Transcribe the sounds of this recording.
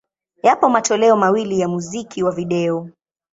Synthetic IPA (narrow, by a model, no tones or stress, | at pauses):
japɔmatɔlɛɔmawilijamuzikʰiwaviɗɛɔ